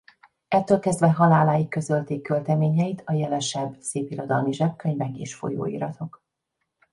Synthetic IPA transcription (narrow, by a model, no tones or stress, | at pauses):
ɛt̪ːøːlkɛzd̪vɛɦɒlaːlaːjikːø̞zølt̪eːkːølt̪ɛmeːɲɛjit̪ʰɒjɛlɛʃɛbːseːpiɾo̞d̪ɒlmiʒɛp̚køɲvɛkḛːʃfo̞̰jo̰ːḭːɾɒt̪ʰo̞k